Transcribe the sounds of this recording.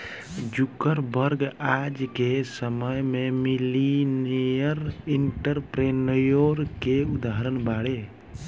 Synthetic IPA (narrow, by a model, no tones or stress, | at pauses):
d͡ʒukːəɾbəɾɡad͡ʒkesəməjmemilinijəɾiɳʈəɾpɾenəjoɾkeud̪aɦəɾənbaɽe